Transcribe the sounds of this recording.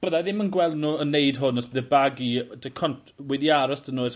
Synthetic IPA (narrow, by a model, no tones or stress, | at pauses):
b̥əðaðɪmənɡwɛlˠdnuːənːeɨdɦʊnɔsb̥əðəbaɡidəkʰɔntʰwɛdiaɾɔsd̥ənuːɛt